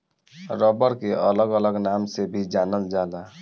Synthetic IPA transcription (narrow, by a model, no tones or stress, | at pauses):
ɾəbəɾkeʔələɡələɡnamsebʱid͡ʒanəld͡ʒala